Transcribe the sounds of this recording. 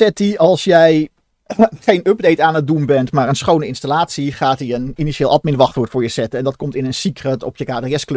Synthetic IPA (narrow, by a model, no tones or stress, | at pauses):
sɛtiɑlˠsjɛj | χejnøb̚dejtaːnət̚dunbɛntmaːɹənsχownəɪnstalaːtsiχaːtiəniniʃeːlˠɑt̚mɪnʋɑχtʋʊːɹtfʊːɹjəsɛtəɛndɑt̚kɔmtɪnənsikrətɔpjəkaːdriɛsklø